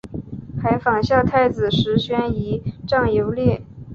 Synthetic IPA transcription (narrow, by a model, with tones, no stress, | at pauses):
xa˧˥ɪfɑ˨˩ŋɕjɑ˥˧ʊt̪ʰa˥˩ɪd͡zɹ̩˨˩ʂɻ̩˧˥ɕɥɛ˥ni˧˥ʈ͡ʂɑ˥˩ŋjo˧˥ʊljɛ˥˩